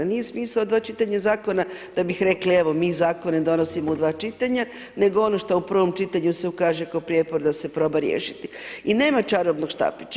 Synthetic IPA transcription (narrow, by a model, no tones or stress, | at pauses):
nije̞smiːsaod̪ʋaːt͡ʃit̪aɲazaːko̞nad̪̥abixɾe̞klieʋo̞miːzaːko̞ned̪o̞nosimoud̪ʋaːt͡ʃit̪aɲa | ne̞ɡoo̞no̞ʃt̪oupr̩ʋo̞mt͡ʃit̪aɲuse̞ukaːʒekaopɾjepoɾd̪ase̞pɾo̞ːbaɾjḛʃit̪iine̞ːmat͡ʃaɾobnoɡʃt̪a̰pit͡ʃ